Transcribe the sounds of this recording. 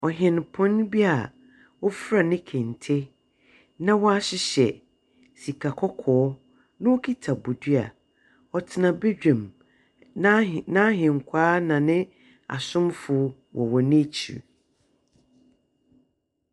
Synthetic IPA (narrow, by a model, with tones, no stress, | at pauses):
ɔ˨ɦɪ̃˨n˨pʰʊ̃˦n˦bi˦a˨ | ɔ˦fɾa˨nɪ̃˦kʰẽ˨n˨tʰe˦ | nã˦wɔ˦a˦ɕɪ˦ɕɛ˨ | si˨kʰa˨kʰɔ˦kʰɔː˨˦ | nʊ̃˦wo˦kʰi˦tʰa˨bu˨dɥa̰˨ | ɔ˨tʰɪ˨nã˨be˦d͡ʑᶣẽ˨m | nã˦˨nã˦ɦɪ̃˨ŋ˨kʷʰaː˦nã˨nɪ̃˦ | a̰˨sʊ̃˦mfʊ˨ | wʔɔ̰˨wɔ˨nɪ̃˦t͡ɕʰḭ˨